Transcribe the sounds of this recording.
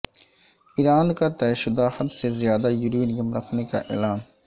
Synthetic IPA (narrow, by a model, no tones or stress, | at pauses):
iːɾaːnkat̪ɛːʃʊd̪ahɐd̪sezijaːd̪ajʊɾiːnijəmɾɐkʰneka̰ʔḛːlaːn